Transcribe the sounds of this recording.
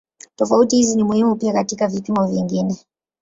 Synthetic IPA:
tɔfautihizinimuhimupiakatikavipimɔvjiŋɡinɛ

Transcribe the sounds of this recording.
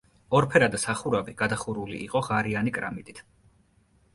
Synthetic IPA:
ɔɾpʰɛɾad̪asaχuɾabiɡ̥ad̪aχuɾulḭʔːqʼɔʁaɾianikʼɾa̰mit̪ʼit̪ʰ

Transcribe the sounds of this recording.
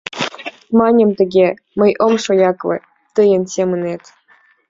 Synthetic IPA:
mɑnʲə̆mt̪ə̆ɡʲe | mə̆jʔomʃojɑklɤ̰̆ | t̪əjə̆nsʲemə̆net̪

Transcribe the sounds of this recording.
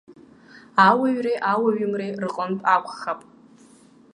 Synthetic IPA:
awaɥrejʔawaɥɪmrejrɨqʼənpʼakʷʰʼχapʼ

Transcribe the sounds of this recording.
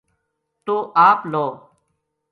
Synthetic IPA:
t̪oːʔaːploː

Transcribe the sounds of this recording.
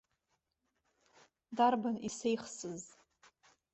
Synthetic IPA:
darbanisejχsɨz

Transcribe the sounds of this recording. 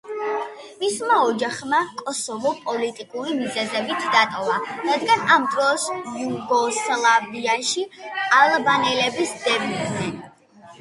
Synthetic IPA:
mismaɔd͡ʒaχmakʼɔsɔvɔpʼɔlit̪ʼikʼuɾimizɛzɛbit̪ʰd̪at̪ʼɔvaɾad̪ɡanamt̪ʼɾɔsvuɡɔslˠaviaʃialˠbanɛlɛbisd̪̥ɛbnid̪nɛn

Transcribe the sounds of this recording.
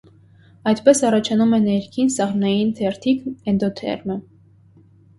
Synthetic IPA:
ɑjt̪pɛsɑrɑt͡ʃʰɑnumɛnɛɾkʰinsɑʁnɑjint̪ʰɛɾt̪ʰikɛnd̪ɔt̪ʰɛ̰ɾmə

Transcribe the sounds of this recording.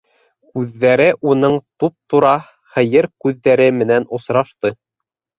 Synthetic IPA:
kʉðːæɾɘʔunɤɴt̪up̚t̪uɾɑ | χɘ̆jɘɾkʉðːæɾɘmɘ̆nænŏsɾɑʃt̪ɤ

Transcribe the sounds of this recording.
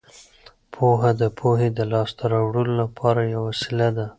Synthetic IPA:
pʰoɦad̪əpʰoɦed̪əlɑst̪aɾɑwɽəlolapʰɑɾajawasɪlad̪a

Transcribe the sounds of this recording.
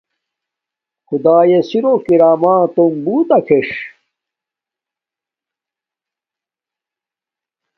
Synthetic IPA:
xud̪aːjesiɾokiɾaːmaːt̪ombuːt̪ɐkʰeʂ

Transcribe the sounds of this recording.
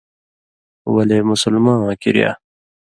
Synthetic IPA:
wɐleːmʊsʊlmãːkiɾija̰ː

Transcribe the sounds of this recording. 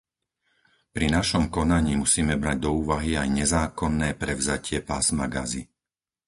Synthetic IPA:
pɾinaʃɔmkɔnaɲiːmusiːmɛbɾaɟ̚d̪ɔuːʋaɦiajɲɛzaːkɔnːɛːpɾɛʊzacɪɛpaːsmaɡa̰zi

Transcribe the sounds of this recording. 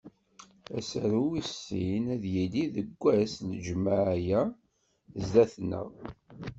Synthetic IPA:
æsəɾuwisːinæðjiliðəɡʷːæsnəd͡ʒmaʕjæ | zðæθnə̰ʁ

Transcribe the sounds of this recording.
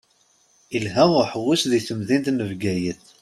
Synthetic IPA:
ilɦæʊħəwːusðiθəmðint̪nəvɡæjəθ

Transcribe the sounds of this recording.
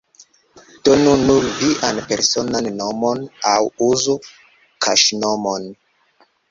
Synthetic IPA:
d̥onunuɾviʔanpe̞ɾsonanːomonawuzu | kʰa̰ʃnomon

